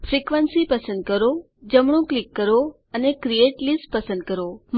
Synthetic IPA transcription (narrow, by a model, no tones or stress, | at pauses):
fɾikʋənsipəsə̃nd̪̚kəɾo | d͡ʒəmɳ̃õklikːəɾo | ənekɾieʈlisʈ̚pəsə̃nd̪̚kəɾom